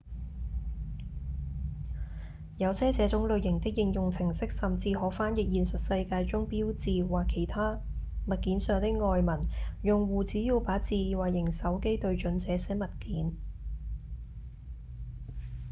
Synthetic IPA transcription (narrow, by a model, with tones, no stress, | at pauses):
jɐ˨˧wsʰɛː˥t͡sɛː˨˥t͡sʊ˨˥ŋlɵ˨˧ɥjɪ˨˩ŋt̪ɪ˥k̚jɪ˧ŋjʊ˨ŋt͡sʰɪ˨˩ŋsɪ˥k̚sɐ˨˩mt͡siː˧hɔː˨˥faː˥njɪ˨k̚jiː˨nsɐ˨t̚sɐ˧jkaː˧jt͡sʊ˥ŋpiː˥wt͡siː˨˧waː˨˩kʰːe˨˩jt̪ʰaː˥ | mɐ˨t̚kiː˨˥nsœː˨˧ŋt̪ɪ˥k̚ŋɔː˧jmɐ˨˩njʊ˨ŋwuː˨˩t͡siː˨˥jiː˧wpaː˨˥t͡siː˧waː˨˩jɪ˨˩ŋsɐ˨˥wke˥jt̪ɵ˧ɥt͡ʃɵ˨˥nt͡sɛː˨˥sɛː˨˥mɐ˨t̚kiː˨˥n